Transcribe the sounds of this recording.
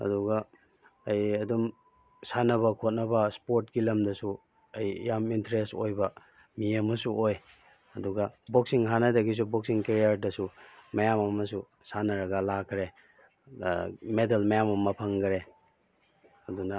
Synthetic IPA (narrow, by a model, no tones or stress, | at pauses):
ɐ̰duɡɐː | jɐdum | sanɐβɐkʰot̚nɐbɐspoɾtɡilɐmdɐsu | ɐj̰jamintɾestojbɐ | miɐmɐsuoj | ɐduɡɐboksiŋɦanɐdɐɡis̬uboksiŋkeɾijaɾdɐsumɐjamɐmɐsu | sanɐɾɐɡɐlakʰːɾe | medelmɐjamɐmɐpʰɐŋɡɾe | ɐdunɐ